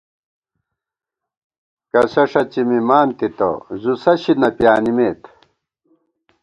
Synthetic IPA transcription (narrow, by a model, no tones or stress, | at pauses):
kɐsɐʂɐt͡ɕimimaːnt̪it̪o̰zusɐɕinɐpjaːnimeːt̪